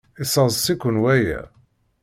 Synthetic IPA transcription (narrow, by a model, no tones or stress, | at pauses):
isˤɑzˤsikʷʊnwæjæ̰